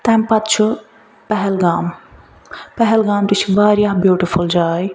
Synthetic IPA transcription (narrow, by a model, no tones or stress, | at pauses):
t̪ɛmpɐt̪t͡ʃʰu | pɛɦɛlɡaːm | pɛɦɛlɡaːmt̪it͡ʃʰiʋaːɾjaːɦbjuːʈifʰuld͡ʒaːj